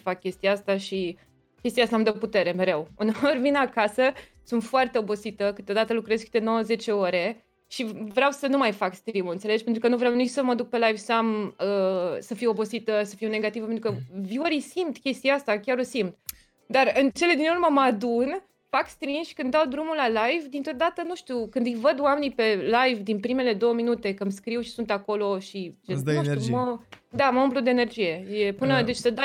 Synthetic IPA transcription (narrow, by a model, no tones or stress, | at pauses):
fakːʲe̞st̪ijaast̪aʃi | kʲest̪ijast̪amd̪aput̪e̞ɾe̞me̞ɾe̞wuneorvinakasə | sunt̪foart̪eo̞bo̞sit̪əkɨt̪od̪at̪əlukɾezkɨ̥t̪e̞no̞wəze̞t͡ʃe̞o̞ɾe̞ | ʃivɾeawsənumajfakst̪ɾimuɨnt̪sele̞d͡ʒpent̪ɾukənuvɾeawnit͡ʃsəməd̪uk̚pe̞lajvsəaməsəfio̞bo̞sit̪əsəfiwne̞ɡat̪ivəpent̪ɾukəvioɾijsimt̪kʲe̞st̪iaast̪akʲaɾosimt̪ | d̪arɨnt͡ʃe̞le̞d̪inurməməad̪un | fakst̪ɾinsʃi̥kɨnawd̪ɾumulalajvd̪int̪ɾod̪at̪ənuʃt̪iukɨnd̪ɨjvəd̪wame̞nipe̞lajvd̪inpɾime̞le̞d̪o̞wəminut̪ekəmskɾiwʃi̥sunt̪ako̞lo̞ʃit͡ʃeuiuməd̪aməumplud̪eːne̞rd͡ʒije̞je̞pɨnəd̪e̞t͡ʃsəd̪a